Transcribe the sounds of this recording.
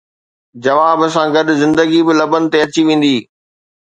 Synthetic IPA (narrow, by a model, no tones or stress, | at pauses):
d͡ʑɐʋaːbɐsãɡɐɗʊzɪ̃nd̪əɡibɪlɐbənɪ̆t̪eɐt͡ɕiʋẽːn̆d̪iː